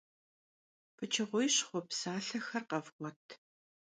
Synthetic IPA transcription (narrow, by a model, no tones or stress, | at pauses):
pʰɨt͡ʃʰɐʁʷʊjɕχʷɔpsaːɬɐxɐrqɐvqʷɔtʰ